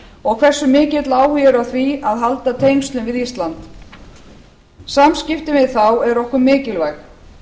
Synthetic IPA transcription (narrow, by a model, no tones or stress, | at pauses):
ɔɣkʰv̥ɛr̥sːʏmɪːcɪt̪laːwhʏjɛɾʏawθviaðɦalt̪at̪ʰejnst̪lʏnvɪðist̪lant̪ | samscɪft̪ɪvɪðθawɛɾɔhkʏɾmɪːcɪlvajx